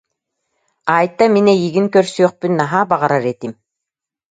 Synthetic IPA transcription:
aːjt̪ːaminɛjiɡiŋkœɾsyœχpynːaɦaːbaʁaɾaɾɛt̪im

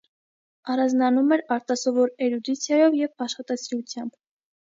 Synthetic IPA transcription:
ɑɾɑnd͡znɑnumɛɾɑɾt̪ɑsɔvɔɾɛɾud̪it͡sʰjɑjɔvjɛvɑʃχɑt̪ɑsiɾut͡sʰjɑmb̥

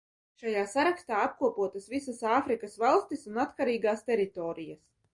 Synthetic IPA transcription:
ʃajaːsaɾakst̪aːap̚kuɔpuɔt̪asvisasaːfɾikasvalˠst̪isunat̪kaɾiːɡaːst̪ɛɾit̪ɔːɾijas

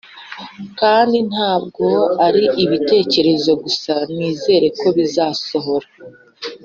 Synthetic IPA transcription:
kaːndin̥haːb̚ɡo̞aɾiʔiβite̞ːce̞ɾe̞zo̞ɡusaniːze̞ːɾe̞kʰo̞βizaːso̞ɦo̞ɾa

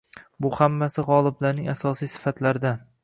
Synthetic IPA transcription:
bʊhamːasɪʁɒlˠɪblaɾnɪŋasɒsijsɪ̥fat̪laɾd̪an

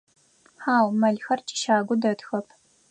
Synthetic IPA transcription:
ħaːwmɐɮxɐrt͡ʃʰʼi̥ʃaːɡʷʊdɐtxɐpʰ

